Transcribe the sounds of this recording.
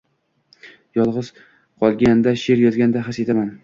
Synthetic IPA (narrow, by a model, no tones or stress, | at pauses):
jɒlˠʁɨz̥ | qʰɒlˠɡʲand̪aʃe̞ɾjɒzɡʲand̪aɦase̞t̪ʰaman